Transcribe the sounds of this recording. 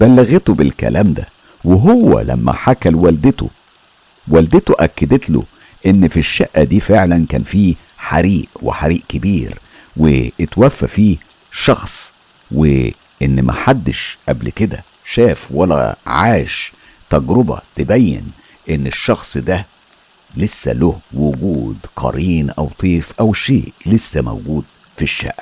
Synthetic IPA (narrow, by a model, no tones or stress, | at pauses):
b̥ælːæɣet̪obelkæ̰lʔæːmd̪æ̰ | weɦowːæ̰læ̰mːæ̰ħakælwæld̪et̪o̰ | wæld̪et̪oʔækːæd̪et̪lo̰ | ʔenːfiʃːæʔːæd̪iːfeʕlænkæ̰ːnfiː | ħaɾiːʔwḛħaɾiːʔkebiːɾ | wḛʔet̪wæfːæfiː | ʃɑxsˤ | wḛ | ʔenːmʔæ̰ħad̪ːeʃʔæblked̪æ̰ | ʃæːfwælːæ̰ʕaːʃ | t̪æɡɾʊbɑ̰t̪ebæjːḛn | ʔɪnːeʃːɑxsˤd̪æ | lesːæ̰lohwʊɡuːd̪qʰɑ̰ɾiːnʔæ̰wt̪ˤiːfʔæwʃḛːʔlesːæmæ̰wɡuːd̪̚ | fiʃːæ̰ʔːæ